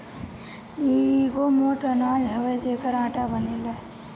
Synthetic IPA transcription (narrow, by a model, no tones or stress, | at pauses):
iɡoːmoːʈənaːd͡ʒɦɐʋed͡ʒeːkəɾãːʈabənilɐ